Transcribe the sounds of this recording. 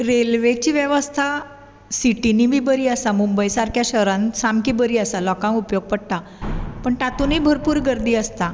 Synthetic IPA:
ɾelʋet͡ɕiːʋjəʋəst̪ʰa | siʈinibʱibəɾiːəsamumbəjsaɾkʰjaɕəɾãnsamkiːbəɾiːəsalɔkãŋupjoɡ̚pəɽt̪a | pəɳʈ̪at̪uniːbʱəɾpuːɾɡəɾd̪iːəst̪a

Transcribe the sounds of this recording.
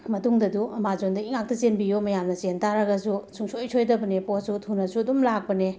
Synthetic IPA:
mɐtuŋdɐduɐmad͡ʒondɐiŋak̚tɐsenbijomɐjamnɐt͡ʃentaɾɐɡɐsusʰuŋsojsʰojdɐbɐneposutʰunɐsuɐdumlak̚pɐne

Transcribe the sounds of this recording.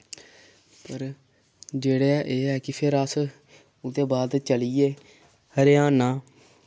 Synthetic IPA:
pəɾ | d͡ʒeːɽeɛʔeːɛːkɪpʰɪɾəs | ʊd̪eːbaːd̪t͡ʃəliːeː | həɾjaːnaː

